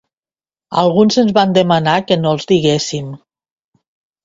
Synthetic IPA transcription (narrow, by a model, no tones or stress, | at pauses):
a̰lˠɣunzənzβand̪əmanakənoəlˠzd̪iɣesim